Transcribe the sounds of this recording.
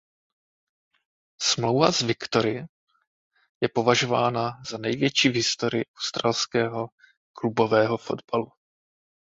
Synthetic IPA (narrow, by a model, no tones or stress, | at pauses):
smlo̞wvazvɪkt̪o̞ɾɪ | jɛpo̞vaʒo̞vaːnazanɛjvjɛt͡ʃiːvɦɪst̪o̞ɾɪɪʔawst̪ɾaːlskɛːɦo̞ | klubo̞vɛːɦo̞fo̞̰d̪balu